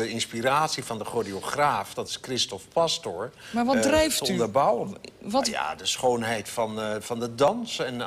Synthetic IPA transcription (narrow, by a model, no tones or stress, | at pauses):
əɪnspiraːtsivɑndəχodioχraːfdɑtɪ̥skrɪstɔfpastɔɹmaʋdrɛjftəɔynndəɹbʌwənʋja̰dəsχownɦɛjtfɑnfɑndədɑnsɛn